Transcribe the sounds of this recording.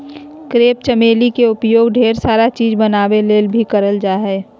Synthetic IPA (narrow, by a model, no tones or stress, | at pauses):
kɾeːp̚t͡ʃəmeːlikeʊpjoːɡɖʱeːɾsaːɾat͡ʃiːd͡ʒbənaːʋeleːlbʱikəɾəld͡ʒaːɦɛː